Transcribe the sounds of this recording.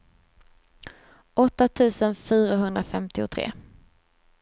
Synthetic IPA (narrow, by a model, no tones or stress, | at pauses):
ʔɔt̪ːat̪ʰʉ̟ːsənfyːɾaɦɵnd̪ɾafɛmt̪ɪʊt̪ʰɾḛː